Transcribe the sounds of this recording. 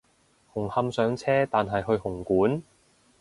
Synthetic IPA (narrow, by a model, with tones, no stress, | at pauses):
hʊ˨˩ŋhɐ˧msœː˨˥ŋt͡sʰɛː˥t̪aː˨nɦɐ˨jɦɵ˧ɥhʊ˨˩ŋkuː˨˥n